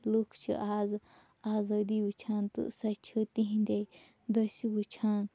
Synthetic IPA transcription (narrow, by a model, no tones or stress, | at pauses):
lukʰt͡ʃʰḭʔaːz | aːzɐːd̪ibut͡ʃʰaːnt̪ṵsɐt͡ʃʰɨt̪iɦĩnd̪e | d̪osʲibut͡ʃʰãːn